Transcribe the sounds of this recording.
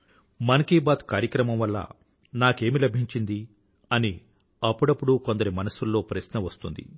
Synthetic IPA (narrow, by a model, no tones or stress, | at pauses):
mɐnɐkiːbaːt̪kaːɾjɐkɾɐmɐmʋɐlːɐ̰ | naːke̞ːmilɐbʱiɲt͡ʃind̪i | ɐni | ɐpːuɽɐpːuɽuko̞nd̪ɐɾimɐnɐsulːo̞ːpɾɐsnɐʋɐst̪und̪ḭ